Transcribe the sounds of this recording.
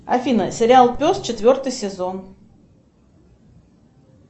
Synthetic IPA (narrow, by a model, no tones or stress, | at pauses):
ɐ̰fʲinəsʲɪɾʲɪalˠpʲost̪t͡ɕɪt̪vʲo̞rt̪ɨjsʲɪzon